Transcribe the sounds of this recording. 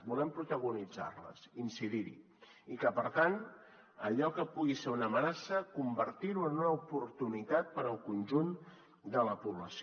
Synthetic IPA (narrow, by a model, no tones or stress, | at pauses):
bulɛmpɾut̪əɣ̞unid͡za̰ɾlə̰sinsiðiɾḭ | ikəpəɾt̪an | əʎɔkəpuɣiseunəmənasəkumbəɾt̪iɾuənunəupuɾt̪unit̪at̪̚pəɾəlˠkunʒun | d̪ələpuβləsi